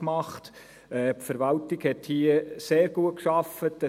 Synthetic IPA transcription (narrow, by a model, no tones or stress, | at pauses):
mɑχt | ɛːpfəɾʋɑltɪɡ̥hɛthiəseːɾɡ̥uət̚kʃɑfətə